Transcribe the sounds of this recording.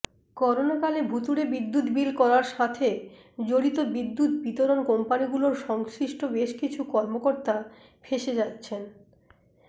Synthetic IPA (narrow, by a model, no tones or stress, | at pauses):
kɔɾonakalebʱut̪uɾebid̪ːut̪bilkɔɾaɾʃat̪ʰe | d͡ʑoɽit̪obid̪ːut̪̚bit̪oɾonkompaniɡuloɾʃɔŋsɾiʃʈobeʃkit͡ɕʰukɔɾmokoɾt̪a | fʰeʃed͡ʑatːɕʰen